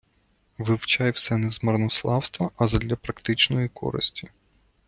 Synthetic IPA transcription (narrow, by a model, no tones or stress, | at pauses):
ʋɪwt͡ʃɑjwsɛnɛzmɐrnɔslˠɑwst̪ʋɐʔɐzɐd̪lʲɐpɾɐkt̪ɪt͡ʃnɔjikɔ̰ɾɪ̰sʲtʲi